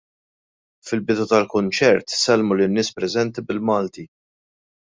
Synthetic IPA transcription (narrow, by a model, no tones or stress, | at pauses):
fɪlbɪd̪ut̪ɐlkʊnt͡ʃɛɾt̪sɛlmulɪnːɪːspɾɛzɛnt̪ibɪlmɐːlt̪i